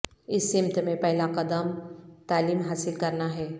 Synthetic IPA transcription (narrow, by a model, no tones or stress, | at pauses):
ɪsːɪ̃mt̪mẽpɛɦɪlakɐd̪əmt̪aːliːmɦaːsɪlkɐɾnaɦɛː